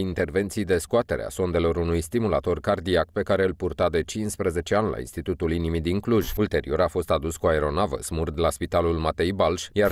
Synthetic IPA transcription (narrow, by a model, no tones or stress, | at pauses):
int̪e̞rve̞nt̪sijd̪e̞skoat̪e̞ɾḛa̰so̞nd̪e̞lo̞ɾunujst̪imulat̪o̞rkard̪iakpe̞kaɾe̞ɨlpurt̪ad̪e̞t͡ʃinspɾəze̞t͡ʃe̞anla̰ḭnst̪it̪ut̪ulinimid̪iŋkluʒʲult̪e̞ɾḭo̞ɾafo̞st̪ad̪uskuaeɾo̞navə̰smurd̪laspit̪alulmat̪e̞jbalʃʲjar